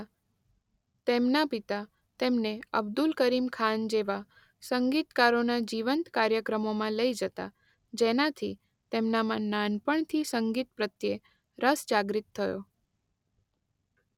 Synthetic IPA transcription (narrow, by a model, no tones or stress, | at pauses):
t̪emnapit̪a | t̪emneə̰bd̪ulkəɾimkʰand͡ʒeʋa | səŋɡit̪kaɾonad͡ʒiʋənt̪kaɾjəkɾəmomãləid͡ʒət̪a̰ | d͡ʒenat̪ʰi | t̪emnamãnanpəɳt̪ʰisəŋɡit̪̚pɾət̪je | ɾəsd͡ʒaɡɾit̪ʰːəjo̰